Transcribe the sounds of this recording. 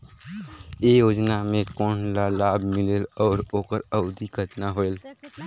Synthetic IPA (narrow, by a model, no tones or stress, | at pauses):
ejoːd͡ʒnamẽkɔːnlalaːbʱmɪlelɔːɾoːkəɾəʊd̪ikət̪naɦoel